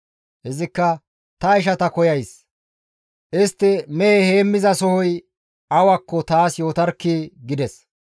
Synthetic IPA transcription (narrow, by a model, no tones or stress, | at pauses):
hɪzɪkːɐ | t̪ɐɪʃ̬ɐt̪ɐkɔjɐjs | ʔɪst̪ːɪmɛeheːmːɪzɐsɔhɔj | ɐwɐkːɔt̪aːsjo̞ːt̪ɐɾkːiːɡɪd̪ɛs